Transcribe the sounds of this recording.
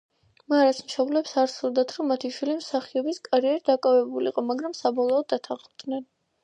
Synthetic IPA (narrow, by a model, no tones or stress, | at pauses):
maɾasmʃɔblɛpsaɾsulˠd̪at̪ʰɾɔmat̪ʰiʃwilimsaχiɔbiskʼaɾiɛɾid̪akʼavɛbulḭqʼɔmaɡɾamsabɔlˠɔːd̪ːat̪ʰaχd̪nɛn